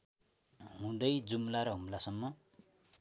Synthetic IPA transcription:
ɦũd̪ʌjd͡zumlaɾʌɦumlasʌmːʌ

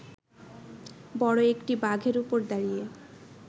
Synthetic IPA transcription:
bɔɽoekʈibaɡʱeɾupoɾd̪aɽije

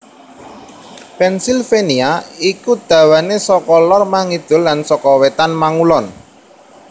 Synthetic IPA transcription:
pɛnsilfeniaikud̪̥ä̤wanesɔkɔlɔrmaŋid̪̥ʊ̤lːansɔkɔwet̪anmaŋulɔn

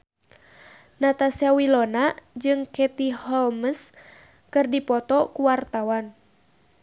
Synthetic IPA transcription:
nat̪asiawilɔnad͡ʒɨŋkɛt̪ihɔlməs | kɨrdipɔt̪ɔkuwart̪awan

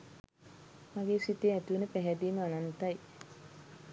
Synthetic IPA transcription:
maɡeːsit̪eːæt̪uʋenəpæɦɛd̪iːməanant̪ɐj

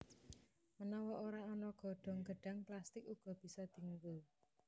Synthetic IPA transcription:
mənɔwɔʔoɾaɔnɔɡ̥ɔ̤ɖ̥ɔ̤ŋɡ̥ə̤ɖ̥a̤ŋplast̪ɪkuɡ̥ɔ̤b̥i̤sɔd̪̥i̤ŋku

